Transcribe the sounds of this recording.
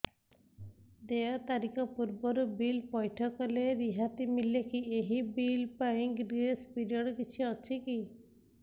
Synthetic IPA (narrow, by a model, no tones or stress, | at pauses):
d̪eat̪aɾikɔpuɾbɔɾubilpɔjʈʰɔkɔleɾiɦat̪imilekieɦibilpaiŋɡɾespiɾijɔɽɔkit͡ʃʰiɔt͡ʃʰiki